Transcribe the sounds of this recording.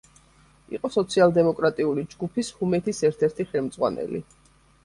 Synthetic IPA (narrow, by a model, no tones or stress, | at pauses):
ḭqʼɔsɔt̪sʰialˠd̪ɛmɔkʼɾat̪ʼiulid͡ʒɡupʰishumɛt̪ʰisɛɾt̪ʰɛɾt̪ʰiχɛlˠmd̪z̥ʼʁwa̰nɛ̰lḭ